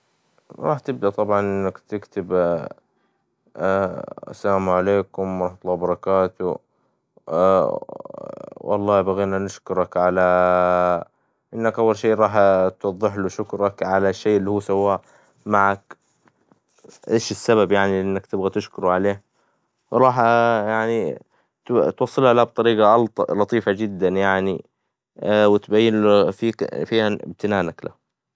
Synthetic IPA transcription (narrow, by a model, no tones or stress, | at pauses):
ɾˤɑːħt̪ɪb̚d̪aʔt̪ˤɑbʕɑnʔɪnːakt̪ɪkt̪ɪb | a̰sːalaːmʕaleːkʊmɾˤɑħɑt̪ˤlːɑːbɑɾˤɑkaːt̪ʊ | wʔɑ̰lˤːɑːbaɣeːnanɪʃkʊɾˤɑkʕala | ʔɪnːakʔawːalʃeːɾˤɑːħt̪wɑd̪ˤːɨħluʃʊkɾɑkʕalaʃːeːʔɪlːihuːsawːaːʔ | maʕak | ʔeːʃɪsːababjaʕniʔɪnːakt̪ɪbɣat̪ɪʃkʊɾʕaleː | wɾˤɑːħjaʕni | t̪t̪wɑsˤːɨlhalahab̚t̪ˤɑɾiːɡɑʔlt̪ˤlɑt̪ˤiːfad͡ʒɪd̪ːanjaʕni | wɪt̪bajːɪnfiːfiːhaɪ̰b̚t̪ɪnaːnakla̰h